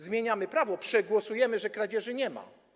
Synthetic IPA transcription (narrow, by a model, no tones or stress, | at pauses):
zmʲjeɲamɘpɾavɔpʂɛɡwɔsujɛmɘʐɛkɾad͡ʑɛʐɘɲɛma̰